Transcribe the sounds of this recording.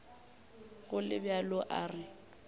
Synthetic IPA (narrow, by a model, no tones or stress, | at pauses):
ɣʊlɪbjalʊʔa̰ːrɪ